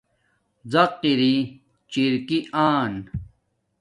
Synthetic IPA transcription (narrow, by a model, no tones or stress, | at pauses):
zɐqːiɾi | t͡ɕiɾkiʔaːn